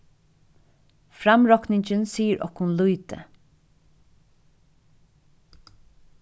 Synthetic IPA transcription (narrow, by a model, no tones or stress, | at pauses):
fɾamɹɔknɪɲt͡ʃənsiːəɹʔɔ̰khʊnluːt̪ə̰